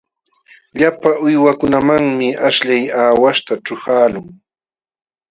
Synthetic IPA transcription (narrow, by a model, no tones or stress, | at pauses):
ʎapaʊjwakʊnamaŋmɪaʃʎajaːwaʃt̪aʈ͡ʂʊhaːlʊŋ